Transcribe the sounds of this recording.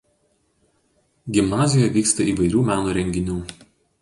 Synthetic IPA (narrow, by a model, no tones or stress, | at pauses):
ɡʲɪmnɑːzʲɪjɔjɛʋʲiːkst̪ɐiːʋɐɪɾʲuːmʲæːnuːɾʲɛŋʲɡʲɪnʲuː